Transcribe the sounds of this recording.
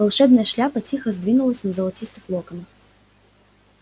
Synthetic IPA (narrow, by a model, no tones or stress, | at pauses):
vɐlˠʂɛbnɐjɛʂlʲapɐt͡sʲixɐzʲd̪vʲinʊlˠəsʲnɐzɐlˠɐt͡sʲist̪ɨxlˠɔkɐnɐx